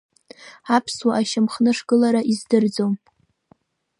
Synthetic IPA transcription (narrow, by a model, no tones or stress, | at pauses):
apʰswaʔaʃamχnɨʂɡɨlaɾaʔizdɨrd͡zom